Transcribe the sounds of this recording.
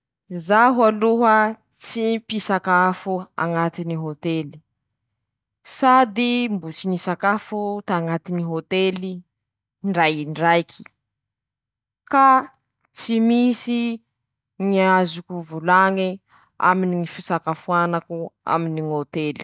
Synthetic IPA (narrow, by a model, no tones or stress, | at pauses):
zaɦualuɦə | t͡sipisakafua̰ŋat̪iniɦot̪eli̥ | sad̪imbut͡sinisakafut̪aːŋat̪iniɦot̪eli | ɳɖ͡ʐajɳɖ͡ʐajkʰi̥ | ka | t͡simisi | ŋiazukuvulaŋi | a̰miniŋifisakafuanakua̰miniŋot̪eli̥